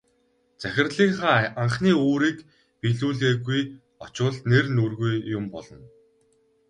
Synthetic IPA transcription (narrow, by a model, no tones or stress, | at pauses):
t͡sæxʲɪ̆rɮiːŋχaːaɴχniːoːɾiːk | piɮuːɮɣeːɣuj | ɔt͡ɕʊːɮt̪nernurɣujjʊmpɔɮɞ̆n